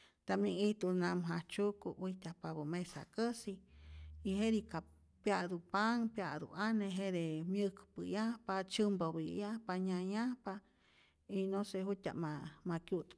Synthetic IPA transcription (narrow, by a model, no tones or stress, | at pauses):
t̪amjiŋiht̪unamɦaht͡ʃukuwiht̪ʲapaβumesa̰kəsiː | ɦeɾika | pjaʔd̪upaŋpjaʔd̪ṵʔaneɦed̪emjəkpɨjahpat͡ʃɨmbobijahpaɲajahpa | inoseɦutʲa̰ʔmamakjut̪